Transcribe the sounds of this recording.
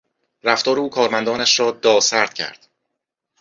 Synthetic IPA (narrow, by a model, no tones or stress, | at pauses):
ɾæft̪ɒːɾeuːkʰɒːɾmænd̪ɒːnæʃɾɒːd̪ɒːsæɾd̪̥̚cʰæ̰ɾd̪̥